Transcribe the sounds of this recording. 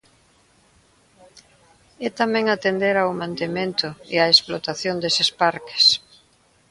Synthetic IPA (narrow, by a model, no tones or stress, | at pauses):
ɛt̪amɛ̃ŋat̪end̪eɾawmãnt̪emẽnt̪ʊeaesplot̪aθjond̪esɪspaɾke̥s